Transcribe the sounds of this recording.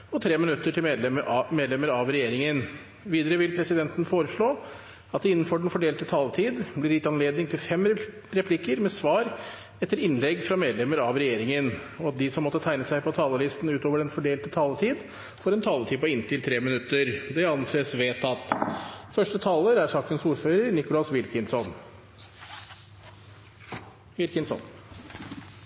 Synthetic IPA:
ɔt̪ʰɾeːmɪnʉt̪ːəʈʰɪlmeːd̪lɛməɾmeːd̪lɛməɾɑʋɾɛjeːɾɪŋən | ʋiːd̪əɾəʋɪlpʰɾɛsɪd̪ɛnt̪ənfoːɾəʂɭoː | ɑt̪̚d̪ɛɪnːənfɔɖɛnfɔɖeːlt̪ət̪ʰɑːlət̪ʰiːd̪blɪɾɪt̪ɑnleːd̪nɪŋt̪ʰɪlfɛmɾɛpʰlɪkəɾmɛsʋɑːɾ | ɛt̪ːəɾɪnlɛɡːfɾɑmeːd̪lɛməɾɑʋɾɛjeːɾɪŋənɔɑt̪̚d̪ɪsɔmːɔt̪ːət̪ʰæɪnəsæɪpʰɔt̪ʰɑːləlɪst̪n̩ʉːt̪oːʋəɾɛnfɔɖeːlt̪ət̪ʰɑːlət̪ʰiːd̪ | fɔɾɛnt̪ʰɑːlət̪ʰiːd̪pɔɪnt̪ʰɪlt̪ʰɾeːmɪnʉt̪ːəɾd̪ɛɑnseːsʋeːt̪ɑt̪fœʂʈət̪ʰɑːləɾæɾʂɑːkənsuːɾføːɾəɾnɪkʊlɑsʋɪlkənsɔn | ʋɪlkənsɔ̰n

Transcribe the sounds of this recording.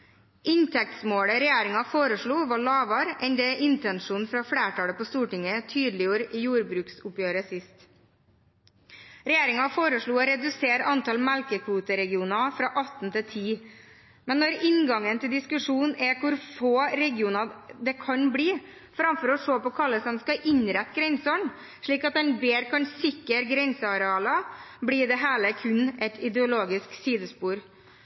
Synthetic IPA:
ʔɪɲt̪ʰɛk̚t̪smoːɽəɾɛjeːɾɪŋɑfoːɾəʂɭuːʋɑɭɑːʋɑɾɛnd̪ɛːʔɪnt̪ɛnʂuːnfɾɑfɽeːʈʰɑːləpoːst̪uːʈɪŋət̪ʰyːd̪l̩ɪjuːɾiːjuːɾbɾʉːksʊpjøːɾəsɪst̪ | ɾɛjeːɾɪŋɑfoːɾəʂɭuːɔɾɛd̪ʉseːɾɑnt̪ɑlmælkəkʰʋuːt̪əɾɛɡɪuːnɑfɾɑːʔɑt̪n̩t̪ʰɪt̪ʰiː | mɛnːɔɾɪnɡɑŋənt̪ʰɪld̪ɪskʉʂuːnnɛkʰʊɾfoːɾɛɡɪuːnɑd̪ɛkʰɑnbɽiː | fɾɑmfɔɾɔʂoːpɔkʰɑləsɛnskɑʔɪɲɾɛt̪ːɡɾɛnsɔɳ | ʂɭiːkɑt̪̚d̪ɛnbeːɾkʰɑnsɪkːəɾɡɾɛnsəɑɾɛɑːlɑbɽiːɖɛɦæːləkʰʉnʔɛt̪ʰɪd̪ɛʊloːɡɪsksiːd̪əspuːɾ

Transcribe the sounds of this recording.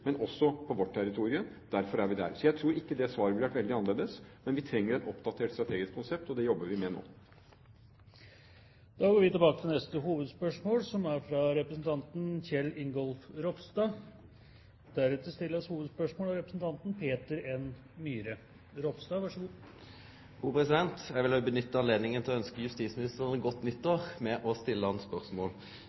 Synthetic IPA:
mɛnɔsːɔpʰɔʋɔʈʰːæɾɪt̪ʰuːɾɪʉm | d̪̥æɾfɔɾæɾʋɪd̪æ̰ɾsɔjæɪt̪ʰɾuːɾɪkːəd̪ɛsʋɑːɾəbɪlʋæʈʋɛld̪ɪɑnəleːd̪əsmɛnʋɪt̪ʰɾɛŋːəɾɛt̪ɔpd̪ɑt̪ʰeːʈst̪ɾɑt̪ʰeːɡɪskʰːʊnsɛp̚t̪ɔd̪ɛjɔbːəɾʋɪmɛno̰ː | d̪̥ɑːɡoːɾʋɪt̪ɪbɑːkət̪ʰɪlnɛst̪əɦuːʋəd̪spœʂmoːlsɔmæɾfɾɑɾɛpɾəsn̩t̪ʰɑnt̪nçɛlːɪŋɡɔlfɾɔfst̪ɑː | d̪æɾʉt̪ːəst̪ɪlːəɾshuːʋəd̪spœʂmoːlɑɾɛpɾəsn̩t̪ʰɑnt̪n̩pʰeːt̪əɾɛn | myːɾə | ɾɔfst̪ɑːʋɑʂəɡu̥ː | uːpʁɛsɪd̪ɛnt̪æʋɪlbənʏt̪ːəɑnleːd̪nɪŋənt̪ʰɪlɔœnskəjʉst̪iːsmɪnɪst̪əʁənəɡɔt̪ːnʏt̪ːoːʁmɛʔɔst̪ɪlːəɑnspœʁsmo̰ːl

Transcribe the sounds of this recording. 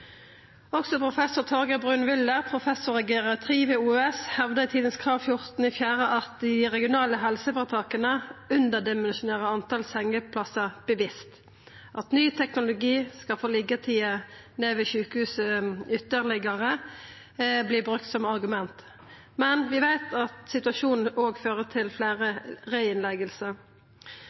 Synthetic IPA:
ɔksɔpʰʁʊfɛsʊt̪ʰɔʁɡəbʁʉːnʋɪld̪əʁpʰʁʊfɛsʊɾɛɡɛʁɑt̪ʰʁiːʋeːuːɛshɛʋd̪əɪt̪ʰiːd̪ənskʰʁɑːʋfjʊʁt̪n̩iːfjæːʁəʔɑt̪̚d̪ɪʁɛɡɪʊnɑːləɦɛlsəfɔʁt̪ʰɑːkənəʉnd̪əd̪ɪmɛnʃʊneːʁəɑnt̪ɑlsɛŋːəpʰlɑsəb̥əʋɪst̪ | ʔɑt̪nyːt̪ʰɛknʊlʊɡiːskɑfɔlɪɡət̪ʰiːəneːʋɪʃʉːkəhʉːsəʏt̪ːəʁlɪɡəʁə | blɪːbʁʉk̚t̪sɔmɑʁɡʉmɛnt̪ | mɛnʋɪʋæɪt̪ʰɑt̪sɪt̪ʉɑʃuːnn̩ʔoːɡføːʁət̪ʰɪlflæːʁəʁɛɪɪnlɛɡəlsəɾ

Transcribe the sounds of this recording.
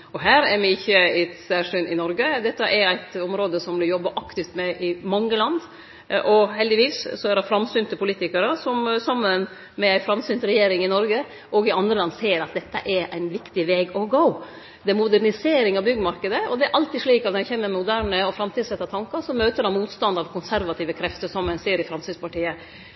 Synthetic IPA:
ɔɦæːɾæɾmɪɪçːəɪt̪sæʂynʔɪnɔɾɡəd̪ɛt̪ːəʔɛɾæɪt̪ɔmɾoːd̪əsɔmʋɪljɔbːəʔɑkt̪ɪft̪mɛʔɪmɑŋːəlɑnd̪ | ʔɔhɛld̪ɪʋiːssɔæɾɑfɾɑmsʏnt̪əpʊliːt̪ɪkəɾəsɔmsɑmːən | mɛæɪfɾɑmsʏnt̪ɾɛjeːɾɪŋɪnɔɾɡə | ʔɔɡɪɑnd̪ɾəlɑnd̪seːɾɑt̪̚d̪ɛt̪ːə̰ʔɛɾʔæɪnʋɪkt̪ɪʋeːɡɔɡoʊ | d̪ɛæɾmʊd̪æɾnɪseːɾɪŋɑʋbʏɡəmɑɾkəd̪əɔd̪ɛæɾʔɑlt̪ɪʂɭiːkɑt̪nɛçeːməɾmmʊd̪æːɾɳəɔfɾɑmt̪iːsɛt̪ːɑt̪ʰɑŋkɑɾsɔmøːt̪əɖɑmmuːt̪st̪ɑnd̪ɑʋkʰʊnsæɾʋɑt̪iːʋəkʰɾɛft̪əsɔmːɛnseːɾɪfɾɑmsiːd̪spɑʈiːə

